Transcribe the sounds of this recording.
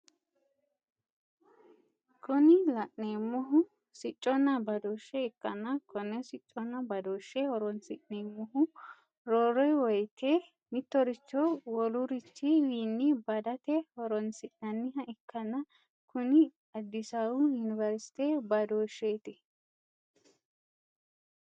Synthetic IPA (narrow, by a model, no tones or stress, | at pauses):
kʰɔnɪlɐʔneːmːɔɦʊ | sɪt͡ʃʼːɔnːɐbɐd̪oːʃːɛɪkːɐnːɐkʰɔnːɛsɪt͡ʃʼːɔnːɐbɐd̪oːʃːɛhɔɾɔnsɪʔneːmːɔɦʊ | ɾoːɾɔjwɔjt̪ʰe | mɪt̪ːɔɾɪt͡ʃːɔwɔlʊɾɪt͡ʃːɪwiːnːɪbɐd̪ɐt̪ɛhɔɾɔnsɪʔnɐnːɪɦɐʔɪkːɐnːɐ | kʊnɪ | ɐd̪ːɪsɐwʊjʊnɪvɐɾsɪ̥t̪eːbɐd̪oːʃːeːt̪ɪ